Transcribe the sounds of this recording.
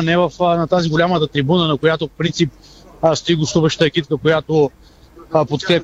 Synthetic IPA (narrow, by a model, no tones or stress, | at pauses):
nɛvɐfnɐt̪aziɡolʲamət̪ət̪ɾibunənɐkojat̪ofpɾint̪sip̚ | st̪oiɡost̪uvəʃt̪əɛk̟it̪̚kəkojat̪o | pot̪kɾɛp